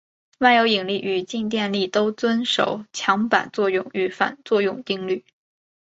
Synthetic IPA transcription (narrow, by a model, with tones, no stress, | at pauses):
wa˥˩njo˧˥ʊi˨˩ŋli˥˩ʔy˨˩t͡ɕi˥˧ŋt̪jɛ˥˧nli˥˩t̪o˥ʊt͡swə˥nʂo̰˨˩˦ʊt͡ɕʰjɑ˧˥ŋpa̰˨˩nt͡swɔ˥˧jʊ˥˩ŋy˧˥fa̰˨˩nt͡swɔ˥˧jʊ˥˩ŋt̪i˥ŋly˥˩